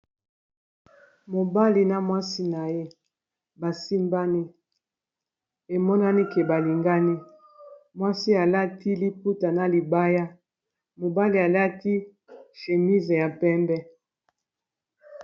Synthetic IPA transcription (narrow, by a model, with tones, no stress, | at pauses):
mo˨ba˦li˨na˦mwa˦si˦na˨je˦ | ba˨si˦mba˦ni˦ | e˨mɔ˦na˦ni˦ke˨ba˨li˨ŋɡa˦ni˦ | mwa˦si˦a˨la˦ti˦li˦pu˦ta˨na˨li˨ba˦ja˦ | mo˨ba˦li˨a˨la˦ti˦ | ʃe˨mi˦ze˨ja˨pɛ˦mbɛ˦